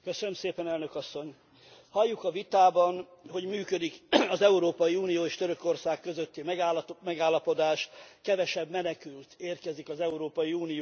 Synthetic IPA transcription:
køsønømseːpɛnɛlnøkɒsːo̞ɲ | hɒjːukɒvit̪aːbɒnɦo̞ɟmyːkød̪ikɒzɛuɾoːpɒjiuːnijoːeːʃt̪ø̞ɾøko̞rsaːkːø̞zøt̪ːimɛmɛɡaːlːɒpo̞d̪aːʃkɛvɛʃɛbmɛnɛkylt̪eːrkɛzikɒzɛuɾoːpɒjiuːnijo

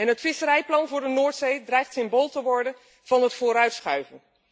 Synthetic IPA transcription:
ɛnɦətfɪsəɾɛjplɑnvʊːɹdənʊːɹtsejdrɛjχtsɪmboːlˠtəʋɔɹdən | v̥ɑnɦətfʊːɾœɥtsχœɥvən

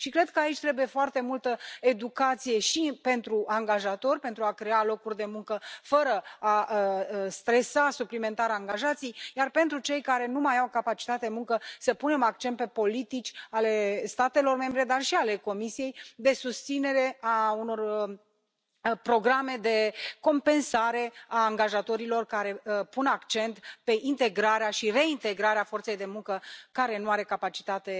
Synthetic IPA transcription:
ʃikɾe̞d̪̚kəait͡ʃʲt̪ɾe̞buje̞foart̪e̞mult̪əe̞d̪ukat̪sijeʃipe̞nt̪ɾuʔaŋɡaʒat̪o̞rʲpe̞nt̪ɾuakɾe̞alo̞kurʲd̪e̞muŋkəfəɾəa | st̪ɾe̞sasuplime̞nt̪aɾaŋɡaʒat̪sijjarpe̞nt̪ɾut͡ʃe̞jkaɾe̞numajawkapat͡ʃi̥t̪at̪ed̪emuŋkəsəpune̞mak̚t͡ʃent̪̚pe̞po̞lit̪it͡ʃʲale̞st̪at̪e̞lo̞rme̞mbɾe̞d̪arʃiale̞ko̞misije̞jd̪e̞sust̪sine̞ɾe̞auno̞r | pɾo̞ɡɾame̞d̪e̞ko̞mpe̞nsaɾe̞aːŋɡaʒat̪o̞ɾilo̞rkaɾe̞punakt͡ʃe̞nt̪pe̞ʔint̪e̞ɡɾaɾeaʃire̞int̪e̞ɡɾaɾeafo̞rt̪se̞jd̪e̞muŋkəkaɾe̞nuaɾe̞kapat͡ʃi̥t̪at̪e̞

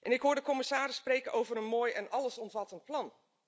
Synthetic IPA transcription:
ʔɛnɪkɦʊːɹdəkɔmɪsaːɾɪsːpreːkəʔowvərənmoːjɛnʔɑlˠəsɔmvɑtənt̚plɑn

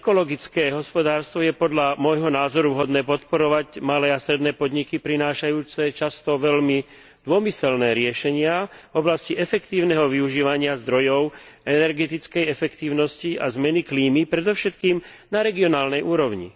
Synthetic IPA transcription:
ɛkɔlɔɡit͡skɛːɦɔspɔd̪aːɾst̪ʋɔjɛpɔd̪ʎamɔjɦɔnaːzɔɾuɦɔd̪nɛːpɔt̪pɔɾɔʋacmalɛːast̪ɾɛd̪nɛːpɔd̪ɲikipɾinaːʃajuːt͡sɛt͡ʃast̪ɔʋɛlmi | d̪ʊɔmisɛlnɛːɾɪɛʃɛɲɪavɔblasciʔɛfɛkt̪iːʊnɛɦɔʋiuʒiːʋaɲɪazd̪ɾɔjɔʊ | ɛnɛɾɡɛt̪it͡skɛjɛfɛkt̪iːʊnɔsciazmɛnikliːmipɾɛd̪ɔfʃɛt̪kiːm | naɾɛɡiɔnaːlnɛjʔuːɾɔʊɲḭ

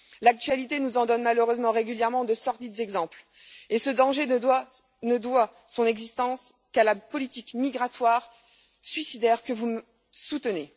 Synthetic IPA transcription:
lak̚t̪ɥalit̪enuzɑ̃d̪ɔnmaløʁøzmɑ̃ʁeɡʲyljɛʁmɑ̃d̪əsɔʁd̪id̪zɛɡzɑ̃pl | esəd̪ɑ̃ʒe | nəd̪wasɔ̃nɛɡzist̪ɑ̃s | kalapɔlit̪ikmiɡʁat̪waʁ | sɥisid̪ɛʁkəvumə | sut̪əne

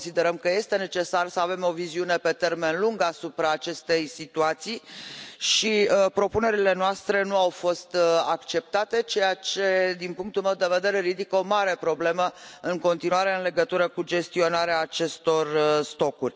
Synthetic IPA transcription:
onsid̪e̞ɾəmkəje̞st̪e̞ne̞t͡ʃe̞sarsəave̞mo̞viziunepe̞t̪erme̞nluŋɡasupɾaːt͡ʃe̞st̪e̞jsit̪uat̪sijʃipɾo̞pune̞ɾile̞noast̪ɾe̞nuawfo̞st̪akt͡ʃe̞p̚t̪at̪e̞t͡ʃe̞jat͡ʃe̞d̪inpuŋkt̪ulmewd̪e̞ve̞d̪e̞ɾe̞ɾid̪ikəo̞maɾe̞pɾo̞ble̞məɨŋko̞nt̪inuaɾe̞ɨnle̞ɡət̪uɾəkud͡ʒe̞st̪io̞naɾeaːt͡ʃe̞st̪o̞rst̪o̞kurʲ

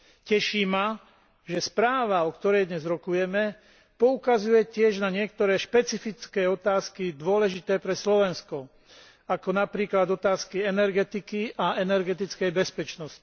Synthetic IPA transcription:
cɛʃiːma | ʒɛspɾaːʋaɔkt̪ɔɾɛjd̪ɲɛzɾɔkujɛmɛ | pɔukazujɛcɪɛʒnaɲɪɛk̚t̪ɔɾɛːʃpɛt͡sifit͡skɛːɔt̪aːskid̪ʊɔlɛʒit̪ɛːpɾɛslɔʋɛnskɔ | akɔnapɾiːklad̪ɔt̪aːskiɛnɛɾɡɛt̪ikiʔaɛnɛɾɡɛt̪it͡skɛjbɛspɛt͡ʃnɔsci̥

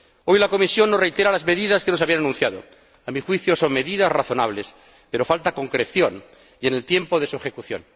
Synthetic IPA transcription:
o̞jlako̞misjo̞nːorejt̪eɾalazme̞ðiðaskenos̬aβiananũnθjaðo̰ | amixwiθjo̞so̞ŋme̞ðiðasraθo̞naβ̞les | pe̞ɾo̞falt̪ako̞ŋkɾe̞θjon | iene̞lt̪je̞mpoð̞e̞suexekuθjo̰n

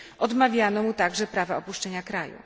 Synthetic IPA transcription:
ʔɔd̪mavʲjanɔmut̪aɡʐɛpɾavaɔpuʂt͡ʂɛɲakɾajṵ

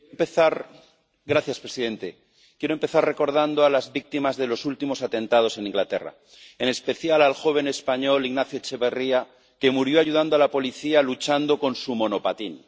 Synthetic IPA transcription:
mpeθaɾ | ɡɾaθjaspɾesiðe̞nt̪e̞ | kjeɾompe̞θarre̞ko̞ɾðand̪oalazβik̚t̪imazðe̞lo̞sult̪imo̞sat̪ẽ̞nt̪að̞o̞se̞nĩŋɡlat̪e̞̰ra̰ | ene̞spe̞θjalalxo̞β̞e̞ne̞spaɲo̞liɣnaθjo̞t͡ʃe̞βe̞ria | ke̞muɾjo̞aʝuðand̪o̞alapo̞liθialut͡ʃand̪o̞ko̞nsumõ̞no̞pat̪in

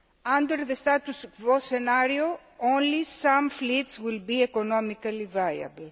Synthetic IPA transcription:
ãnd̪əɾðəst̪at̪usvosenaɾio | õnlisãmflit̪swilbiekonɔmikɐlivaljɐ̰bəl

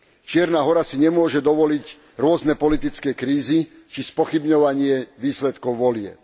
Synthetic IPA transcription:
t͡ʃɪɛɾnaːɦɔɾasiɲɛmʊɔʒɛd̪ɔʋɔlic | ɾʊɔznɛpɔlit̪it͡skɛkɾiːzi | t͡ʃispɔxibɲɔʋaɲɪɛʋiːslɛt̪kɔʊʋɔlɪɛ̰p̚

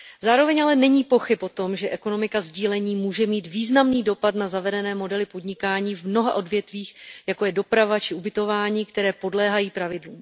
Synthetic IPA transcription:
zaːɾo̞vɛɲʔalɛnɛɲiːpo̞xɪpo̞t̪o̞mʒɛʔɛko̞no̞mɪkazɟiːlɛɲiːmuːʒɛmiːt̪viːznamniːdo̞pat̪nazavɛdɛnɛːmo̞dɛlɪpo̞dɲɪkaːɲiːvmno̞ɦaʔo̞dvjɛt̪viːxjako̞jɛdo̞pɾavat͡ʃɪubɪt̪o̞vaːɲiːkt̪ɛɾɛːpo̞dlɛːɦajiːpɾavɪdluːm

